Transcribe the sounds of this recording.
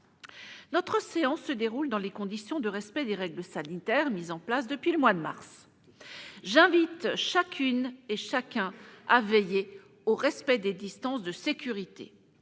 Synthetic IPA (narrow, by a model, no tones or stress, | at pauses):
nɔt̪χəseɑ̃sːəd̪eʁuld̪ɑ̃lekɔ̃d̪isjɔ̃d̪əʁɛspɛd̪eʁɛɡləsanit̪ɛʁmizɑ̃plasd̪əpɥiləmwad̪əma̰ʁs | ʒɛ̃vit̪ʃakʲʰyneʃakʲɛ̃avɛje | oʁɛspɛd̪ed̪ist̪ɑ̃sd̪əsekʲyʁit̪ḛ